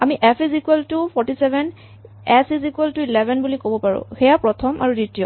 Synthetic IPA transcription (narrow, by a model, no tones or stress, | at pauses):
amiʔɛfʰizikuɛltupʰɔɹtisɛbʱɛn | ɛsizikuɛltuilɛbʱɛnbulikobɔpaɹʊ̰̃xejapɹɔtʰɔmʔa̰ɹuditiɔ